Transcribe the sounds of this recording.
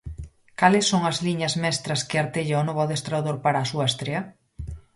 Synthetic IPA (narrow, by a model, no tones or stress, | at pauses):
kalɪsːoŋɐzliɲɐzmɛst̪ɾɐskɪaɾt̪eʎaonɔβaðest̪ɾawðoɾpaɾaːsuast̪ɾeɐ